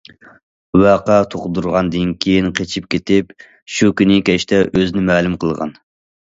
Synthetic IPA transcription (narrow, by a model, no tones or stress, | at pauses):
wæqɑt̪ʰoqʊd̪uɾʁɑnd̪ɨnkʲʰejinqʰet͡ʃʰip̚kʲʰet̪ʰɪp | ʃukʲynɪkʲɛʃt̪ɛʔøzɪnɪmɛːlumqʰəlˠʁɑ̰n